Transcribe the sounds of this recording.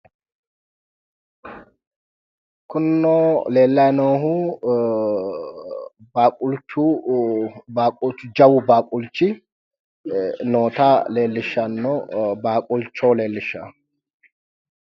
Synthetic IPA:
kʊnːoːle̞ːlːɐjnoːhʊ | baːkʼʊlt͡ʃːu | baːkʼʊlt͡ʃːd͡ʒɐwʊbaːkʼʊlt͡ʃːɪ | noːt̪aːle̞ːlːɪʃːɐnːobaːkʼʊlt͡ʃːoːle̞ːlːɪʃːa̰

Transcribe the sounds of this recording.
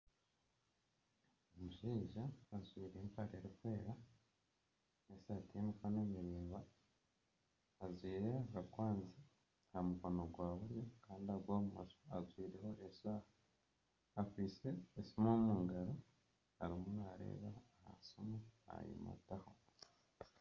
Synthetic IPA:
emuʒiːʒaːzwiːɾempaɾeɾikweːɾa | eseatemikanemiɾiːmβa | azwiːɾeaβakwaːnzi | hamukonoɡwaːβuɾjokaːndiaɾɡwoːβumaso̥azwiːɾe̞ho̞ʔesaːhaː | kwise̞ːsimomuːŋɡaɾo | aɾimunaɾḛːβaːha̰somua̰jḭmṵtaho

